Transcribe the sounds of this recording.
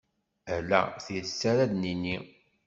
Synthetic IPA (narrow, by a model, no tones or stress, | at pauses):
ælːæ̰θiɾsːæɾæðninːi